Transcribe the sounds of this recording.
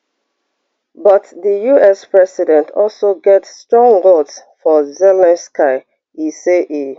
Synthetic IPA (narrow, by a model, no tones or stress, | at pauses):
bʌtðəjuɛspɹɛsidɛ̃ntʰɔlsoɡɛtsːtɹɔ̃ŋɡotsfɔzɛlãnskʰaɪ | iseʔi